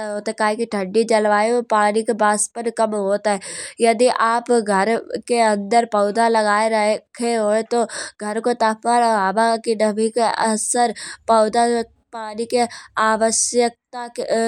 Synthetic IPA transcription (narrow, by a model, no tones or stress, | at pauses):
ɦoːt̪ɦɛkaːɦĩkiʈʰə̃ɳɖit͡ʃɐlʋaːjopaːnikebaːspənkɐmɦoːt̪aɦɛːjɐd̪iʔaːpɡʱɐɾkeɐ̃nd̪əɾpɐːd̪alɐɡaːeɾɐkʰeɦoːet̪oɡʱɐɾkot̪ɐpəɾaːbakinɐbʱikeɐ̰səɾpɐʊd̪a | paːnikeaːʋəʃjək̚t̪ak